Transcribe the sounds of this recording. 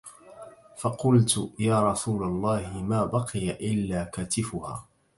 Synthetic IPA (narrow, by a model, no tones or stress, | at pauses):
fɑqʊlt̪jaːɾˤɑsuːlalˤːɑːhɪmaːbɑqɨjaʔɪlːaːkaːt̪ɪfʊha̰ː